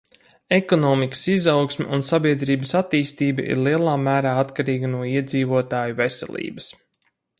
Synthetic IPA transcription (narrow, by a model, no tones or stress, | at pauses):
ekɔnɔːmikə̥sizawksmʲɛ̰ʔunsabiɛd̪ɾiːbəsat̪iːst̪iːbɐ̰ʔḭɾlˠiɛlˠaːmæːɾaːat̪kaɾiːɡənuɔiɛd̪ziːvuɔt̪aːjuvesɛ̰lʲˠḭːbɐs